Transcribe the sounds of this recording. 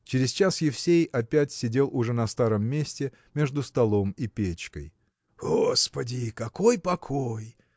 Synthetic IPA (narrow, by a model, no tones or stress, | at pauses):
t͡ɕɪɾʲɪzt͡ɕasjɪfsʲejɐpʲætʲsʲɪdʲe̞lˠʊʐɛnɐst̪aɾəmːʲesʲtʲɪ | mʲe̞ʐd̪ʊst̪ɐlˠo̞mipʲet͡ɕkə̰j | ɡospədʲɪkɐko̞jpɐkʰoj